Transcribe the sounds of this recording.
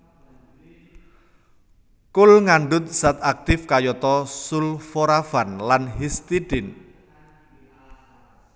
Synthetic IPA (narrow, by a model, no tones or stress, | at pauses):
kʊlŋaɳɖʊt̪̚sat̪ak̚t̪ɪfkajɔt̪ɔsulfoɾafanlanɦist̪iɖɪn